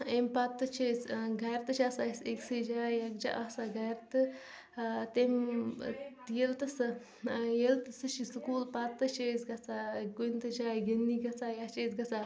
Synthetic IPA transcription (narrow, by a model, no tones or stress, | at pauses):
empat̪ːɨt͡ʃʰesɡɐɾt̪ɨt͡ʃʰasaseksɨd͡ʒaːjakd͡ʒa̰ʔasaɡɐjɾt̪ɨ | t̪em | jelt̪ɐsɨ | jelt̪ɨsɨʃisɨkuːlpat̪ːɨt͡ʃʰeːsɡɐt͡saɡunt̪ɨd͡ʒaːɡɐnːiɡɐt͡sajat͡ʃesɡɐt͡sʰa